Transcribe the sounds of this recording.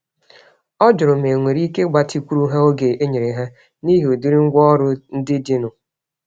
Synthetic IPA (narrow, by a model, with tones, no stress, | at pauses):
ɔ˦d͡ʒʊ˨ɾʊ˨me˨ŋʷe˨ɾi˦ke˦ɡ͡ba˨ti˦kʷu˦ɾu˦ɦe˦o˦ɡe˨e˦ɲe˨ɾe˨ɦe˦ | ni˦ɦo˨du˦ɾi˦ŋ̩˦ɡʷɔ˦ɾʊ˦n̩˦dɪ˦dɪ˦nʊ˨